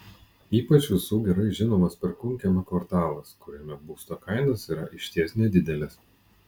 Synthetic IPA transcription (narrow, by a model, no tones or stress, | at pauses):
iːpɐt͡ʃʲʋʲɪsuːɡʲɛɾɐɪʒʲɪnoːmɐspʲɛɾkʊŋʲkʲɛmʲɛkʋɐɾt̪ɑːlˠɐskʊɾʲɛmʲɛbuːst̪oːkɐɪnɐsiːɾɐʔɪʃʲt̪ʲiɛsnʲɛd̪ʲɪd̪ʲɛlʲɪs